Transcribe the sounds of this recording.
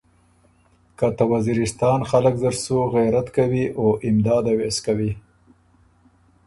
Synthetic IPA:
kat̪awaziɾɪst̪ɑnxaləkzəɾsuɣajɾat̪kawiʔoʔɪmd̪ɑd̪aweskawi

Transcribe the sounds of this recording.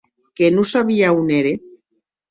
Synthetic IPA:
kenusaβiauneɾe

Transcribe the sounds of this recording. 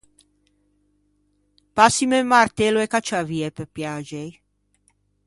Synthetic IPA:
pasimemart̪eloekat͡ʃaviepepjad͡ʒej

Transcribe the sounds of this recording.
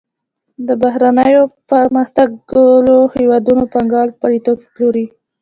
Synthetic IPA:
d̪əbaɦɾanəjopəɾməxt̪aɡlohewɑd̪unopaŋɡɑlpalit̪opploɾi

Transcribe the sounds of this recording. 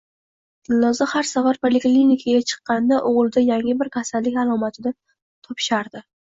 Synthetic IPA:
d̪̥ʰɪnːɒzahaɾsavaɾpʰolɪklʲinɪkʰaɡʲat͡ʃʰɨ̥qːɑnd̪aʔoʁlˠɪd̪ajaŋɪbɪɾkʲʰasalːɪkʲalˠɒmat̪ʰɪnɪ | t̪ʰɒpʃaɾd̪ɪ

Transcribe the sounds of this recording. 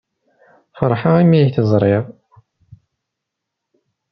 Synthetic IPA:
fəɾˤħaimiçθəzˤɾˤɪðˤ

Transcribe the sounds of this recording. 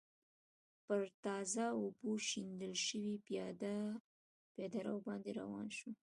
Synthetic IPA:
pəɾt̪ɑzaoboʃind̪əlʃəwid̪ | ped̪aɾawbɑnd̪eɾa̰wɑ̰nʃu

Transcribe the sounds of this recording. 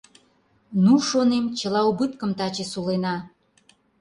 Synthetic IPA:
nuʃonemt͡ɕə̆lɑubɨt̪kəmt̪ɑt͡ɕesulenɑ

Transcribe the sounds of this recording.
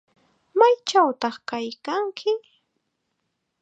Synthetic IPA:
majt͡ʃawt̪ɑχkajkaŋkʰɪ

